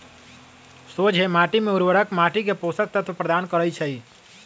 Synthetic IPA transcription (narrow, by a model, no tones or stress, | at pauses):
sod͡ʒʱemaʈimeuɾʋəɾəkmaʈik̬eposək̚t̪ːət̪ʰpɾəd̪ankəɾəjt͡ʃʰəj